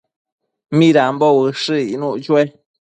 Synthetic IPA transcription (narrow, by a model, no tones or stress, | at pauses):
mĩɾambowɨʂɨinũʔt͡ʃue